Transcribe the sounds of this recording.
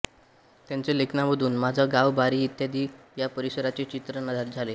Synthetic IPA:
t̪jant͡selekʰnaʋəd̪ʱuːnmad͡zʱəɡaʋbaɾiːt̪jad̪iːjapəɾisəɾat͡ɕet͡ɕit̪ɾənad̪ʱaɾd͡zʱale

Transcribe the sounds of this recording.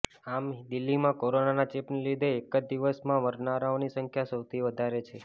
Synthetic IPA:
amd̪ilːimãkoɾonanat͡ʃepnlid̪ʱeːkəd͡ʒd̪iʋəsmãʋəɾnaɾaonisəŋkʰjasəwt̪ʰiʋəd̪ʱaɾet͡ʃʰe

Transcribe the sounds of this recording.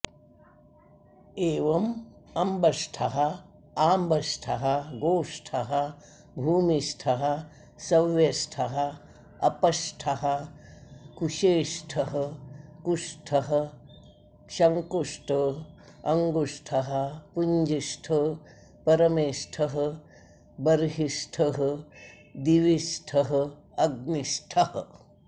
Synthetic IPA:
eːʋɐmɐmbʱɐsʈʰɐɦɐ | aːmbɐsʈʰɐɦɐ̆ɡoːʂʈʰɐɦɐ | bʱuːmisʈʰɐɦɐ̆ | sɐʋjɐsʈʰɐɦɐ̆ | ɐpɐsʈʰɐɦɐ̆ | kuʃeːʃʈʰɐɦɐkusʈʰɐɦɐ̆ | ʃɐŋkusʈʰɐ | ɐŋɡusʈʰɐɦɐ̆puɲd͡ʒisʈʰɐ | pɐɾɐmeːsʈʰɐɦɐ | bɐɾɦisʈʰɐɦɐ | d̪iʋisʈʰɐɦɐ | ɐɡ̚nisʈʰɐhɐ

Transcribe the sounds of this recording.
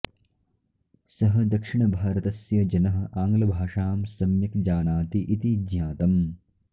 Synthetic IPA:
sɐɦɐ̆d̪ɐkʂiɳɐbʱaːɾɐt̪ɐsjɐd͡ʒɐnɐɦɐ̆ʔaːŋɡlɐbʱaːʂaːmsɐmjɐkd͡ʒaːnaːt̪iʔit̪id̪ɲjaːt̪ɐm

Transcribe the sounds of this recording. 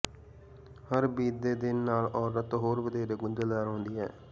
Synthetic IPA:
həɾbiːd̪eːd̪ɪnːaːlɔːɾət̪ɦoːɾʋəd̪eːɾeːɡʊnd̪əːd̪aːɾɔ̃ːnd̪iːɛ̰ː

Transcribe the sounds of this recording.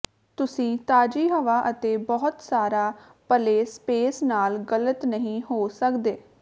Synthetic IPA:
t̪ʊsĩːt̪aːd͡ʒiːɦəʋaːʔət̪eːbɔːʊt̪saːɾaː | pəleːspeːsnaːlɡələt̪nəɦĩːɦoːsəkd̪eː

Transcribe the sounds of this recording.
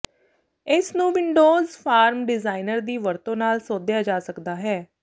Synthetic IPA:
ɪsnũːʋɪɳɖoːzpʰaːɾmɖɪzaːɪnəɾd̪iːʋəɾt̪õːnaːlsoːd̪ɪjaːd͡ʒaːsəkd̪aːɦɛː

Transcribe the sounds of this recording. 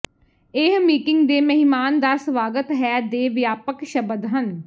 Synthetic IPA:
ɪɦmiːkɪŋɡd̪eːməɦɪmaːnd̪aːsʋaːɡət̪ɦɛːd̪eːʋjaːpəkʃəbəd̪ɦən

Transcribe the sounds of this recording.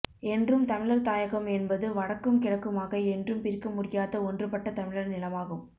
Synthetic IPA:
ɛndrɯmt̪ɐmɪɻɐɾt̪aːjɐɣɐmɛnbɐðɯʋɐɽɐkːɯmkɪɽɐkːɯmaːɣɐɛndrɯmpɪɾkɯmːʊɽɪjaːðɐɔndrɯpɐʈːɐt̪ɐmɪɻɐɾnɪlɐmaːɣɯm

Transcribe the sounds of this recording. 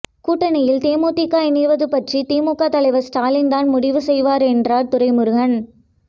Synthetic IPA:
kuːʈːɐnɐjɪlt̪eːmuːt̪ɪkːaːɪniʋɐðɯpɐʈrit̪eːmuːkːaːt̪ɐlɐɪʋɐɾsʈaːlɪŋd̪aːnmʊɽɪʋɯsɛjʋaːɾɛndraːɾt̪ʊɾɐɪmɯɾɯɣɐn

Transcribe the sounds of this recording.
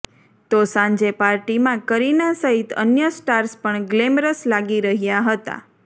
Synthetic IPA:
t̪osãɲd͡ʒepaɾʈimãkəɾinasəɦit̪ə̰njəsʈaɾspəɳɡlemɾəslaɡiɾəɦjaɦət̪a̰

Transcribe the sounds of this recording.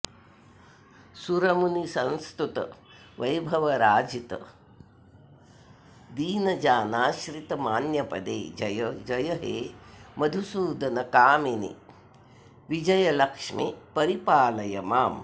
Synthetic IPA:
suɾɐmunisɐnst̪ut̪ɐ̰ | ʋɐjbʱɐʋɐɾaːd͡ʒit̪ɐ̰ | d̪iːnɐd͡ʒaːnaːʃɾit̪ɐmaːnjɐpɐd̪ḛːd͡ʒɐjd͡ʒɐjɐɦeːmɐd̪ʱusuːd̪ɐnɐkaːminḭ | ʋid͡ʒɐjɐlɐkʂmḭpɐɾipaːlɐjɐmaːm

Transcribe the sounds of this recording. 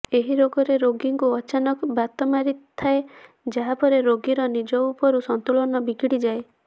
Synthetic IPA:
eɦiɾoɡɔɾeɾoɡiŋkuɔt͡ʃanɔkbat̪ɔmaɾit̪ʰːae | d͡ʒaɦapɔɾeɾoɡiɾɔnid͡ʒɔupɔɾusɔnt̪ulɔnɔbiɡiɽid͡ʒae

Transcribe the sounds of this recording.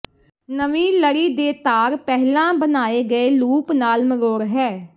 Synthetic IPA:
nəʋĩːləɽiːd̪eːt̪aːɾpɛɦlãːbənaːeːɡəeːluːpnaːlməɡoːɾɦɛː

